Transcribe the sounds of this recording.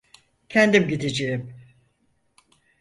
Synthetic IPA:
cʰɛnd̪imɟid̪ed͡ʒejim

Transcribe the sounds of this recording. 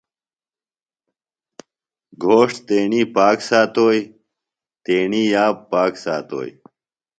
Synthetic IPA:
ɡʱoːʂʈt̪eːɳiːpaːksaːt̪oːj | t̪eːɳiːjaːppːaːksaːt̪o̰ːj

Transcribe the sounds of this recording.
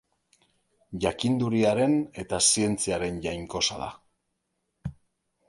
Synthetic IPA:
ʝakind̪uɾiaɾe̞ne̞t̪asie̞nt͡siaɾe̞nʝajŋko̞saða̰

